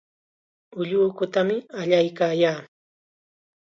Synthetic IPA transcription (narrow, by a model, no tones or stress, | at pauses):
ʊʎʊːkʊt̪amɪaʎajkaːjaː